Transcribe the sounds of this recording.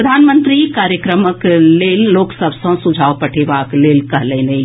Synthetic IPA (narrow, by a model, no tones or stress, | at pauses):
ɾəd̪ʱanmənt̪ɾikaɾjəkɾəməklelːoːksəbʱsə̃sud͡ʒʱaːʋpəʈʰebaklelkəɦlɛ̃ne